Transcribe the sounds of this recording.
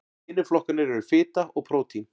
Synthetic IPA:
ɪnːɪflɔhkanɪɾɛɾʏ̥fɪːt̪aɔɣpʰɾoːwt̪ʰin

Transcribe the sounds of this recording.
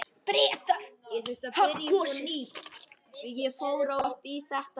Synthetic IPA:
pɾɛːt̪aɾ̥jɛθɪht̪aɪɾiɔniː | jɛfoːwɾaht̪isaht̪

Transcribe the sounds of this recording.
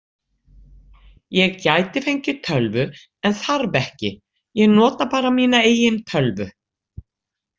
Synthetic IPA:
jɛɣcajt̪ɪfejɲcɪt̪ʰœlvʏ | ɛnθaɾvɛhcɪ | jɛɣnɔːt̪apaːɾamiːnaeːjɪnt̪ʰœlvʏ̰

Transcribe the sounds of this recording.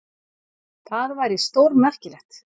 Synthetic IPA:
θaðvajɾɪst̪owɾmɛr̥cɪlɛxt̪

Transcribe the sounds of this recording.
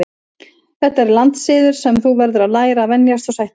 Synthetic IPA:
ɪ | θɛht̪ːaɛɾlant̪sɪːðʏɾ̥sɛmθuvɛɾðʏɾaðlaːjɾaːvɛnjast̪ɔsajht̪

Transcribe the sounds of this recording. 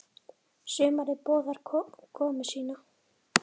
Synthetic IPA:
sʏːmaɾɪɾpɔːðaɾʰɔkʰɔːmɪsiːna

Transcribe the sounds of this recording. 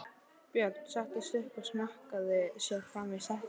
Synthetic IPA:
pjœɾt̪saht̪ɪst̪ʏhkasmahkaðɪsjɛɾfɾamvisah

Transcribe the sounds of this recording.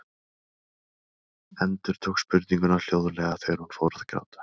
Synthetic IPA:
ɛnt̪ʏɾ̥t̪ʰowkspʏɾt̪niŋkʏnavl̥joːwðʏlɛːɣaθeɣɾ̥hunfoːwɾaðkɾa̰ːwt̪ḁ

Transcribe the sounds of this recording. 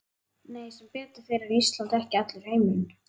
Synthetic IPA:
neːjsɛmpɛːt̪ḁθejɾaɾiist̪lant̪ɛhcɪat̪lʏɾ̥hejmɪn

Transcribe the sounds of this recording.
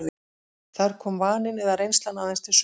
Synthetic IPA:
ðɪ | θaɾ̥kʰɔːmvaːnɪnɛðarejnst̪lanːaθɛnst̪ɪs

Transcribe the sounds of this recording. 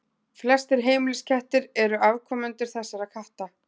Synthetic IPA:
flɛst̪ɪɾɦeːjmɪlɪscʰɛht̪ɪɾɛɾʏʔavkʰɔːmʏnt̪ʏɾ̥θɛsːaɾaðkʰaht̪a

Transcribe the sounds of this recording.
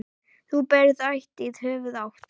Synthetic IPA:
θupɛɾðajht̪ɪðhœːvʏðawht̪

